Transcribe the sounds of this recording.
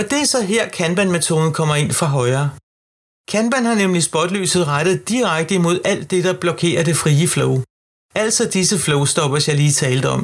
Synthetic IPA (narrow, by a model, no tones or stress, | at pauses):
ɒ̽d̥e̝æɐsɒ̽ɦeɐ̰kʰænb̥ænmet͡sʰo̝̰ːðˠn̩kʰɒ̽m̰ɐe̝n̰fʁɑ̈ɦɒ̽ɪɐː | kʰænb̥ænhɑ̈nemlisb̥ɒd̥lyːsð̞̩ˠʁad̥ð̞̩ˠd̥iʁaɡ̥̚d̥əimo̝ð̞̰ˠæl̰d̥ːe̝d̥ɑ̈b̥lɒ̽kʰe̝̰ːɐde̝fʁiːəflɔʊ | æl̰̥sɒd̥isəflɔʊsd̥ɒ̽b̥ɐsjɑ̈ɪliːt͡sʰɛːld̥̩ɒ̽m